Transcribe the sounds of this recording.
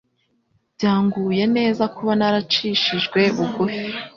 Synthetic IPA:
bɟaːŋɡuːje̞ne̞ːzakuβanaɾat͡ʃiʃiʒɡwe̞βuɡufi

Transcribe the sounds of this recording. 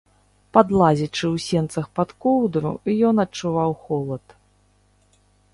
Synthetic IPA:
pad̪lˠazʲit͡ʂɨwsʲɛnt̪sɐxpat̪kɔwd̪ɾṵijɔnɐt͡ʂːuvawxɔlˠɐt̪

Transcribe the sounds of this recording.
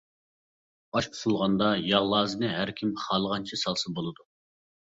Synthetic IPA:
ɑʃu̥t̪ulˠʁɑnd̪ɑjɑʁlˠɑːzɨnɨɦæɾkʲʰimχɑlˠəʁɑnt͡ʃʰisɑlˠsɨbolˠɨd̪u

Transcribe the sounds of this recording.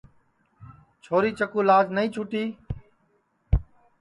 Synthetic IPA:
t͡ʃʰoːɾiːt͡ʃəkuːlaːd͡ʒnəĩːt͡ʃʰuːʈiː

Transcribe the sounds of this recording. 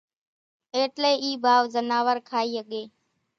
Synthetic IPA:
eːʈleːiːbʱaːʋzənaːʋəɾkʰaːiːɦəɠeː

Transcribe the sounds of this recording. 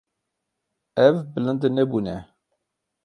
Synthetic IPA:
ævbələnd̪næbunæ

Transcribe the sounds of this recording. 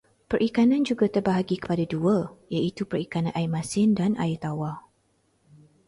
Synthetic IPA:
pərʔikanãnd͡ʒuɡat̪ərbaɦaɡikə̥padaduəjait̪upərikanãnʔajimasɪndana̰ɪt̪awa

